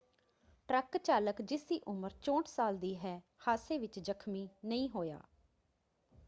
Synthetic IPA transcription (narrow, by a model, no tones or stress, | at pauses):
ʈɾəkt͡ʃaːləkd͡ʒɪsiːʔʊməɾt͡ʃõːʈsaːld̪iːɦɛː | haːseːʋɪt͡ʃd͡ʒəkʰmiːnəĩːɦoːja̰ː